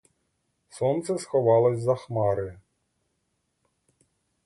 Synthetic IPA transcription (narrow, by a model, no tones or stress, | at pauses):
sɔnt̪sɛsxɔʋɑlˠɔsʲzɐxmɑɾɪ